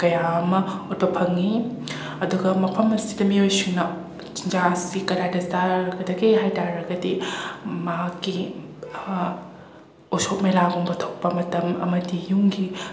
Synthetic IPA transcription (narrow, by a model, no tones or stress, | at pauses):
kɐjamɐut̚bɐpʰɐŋi | ɐduɡɐmɐpʰɐmɐsidɐmiojsuŋnɐ | t͡ʃind͡ʒasikɐɾadɐstaɾɐɡɐdɐɡiɦajtaɾɐɡɐdimaki | osok̚melaɡoŋbɐtʰɐwk̚pɐmɐtɐmɐ̰mɐdijuŋɡi